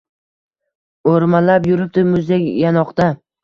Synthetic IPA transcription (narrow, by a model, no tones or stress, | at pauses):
oɾmalapjʊɾɪp̚t̪ɪmʊzd̪ekʲjanɒqd̪a